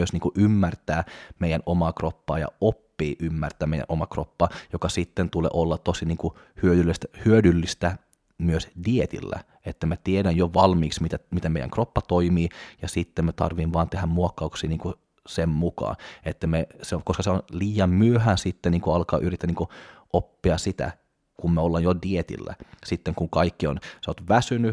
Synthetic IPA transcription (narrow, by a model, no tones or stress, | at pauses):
yøsniːŋkuʔymːært̪æːmeijænʔomɑːkropːɑ̰ːjɑ̰opːiːʔymːært̪æːmeijæ̰nʔomɑkro̰pːɑːjokɑsit̪ːent̪ulḛʔolːɑt̪osiniːŋku | hyøylːest̪æhyødylːist̪æ | myøsdiet̪ḭlːæ̰ | et̪ːæmæt̪iedænjoʋɑlmiːksmit̪æmit̪æmḛjæ̰ŋkropːɑt̪oimiːjɑsit̪ːemmæt̪ɑ̰rʋiːnʋɑːnt̪ehæmmuokːɑuksiːniːŋku | semmukɑ̰ːet̪ːæmesekoskɑseonliːjɑmmyøhæːsit̪ːenniːŋkuɑlkɑ̰ːʔyrit̪ːæniːŋkuʔopːiɑsit̪æ̰ | kummæolːɑjjodiet̪ḭlːæ̰sit̪ːeŋkuŋkɑikːionseot̪ʋæsyny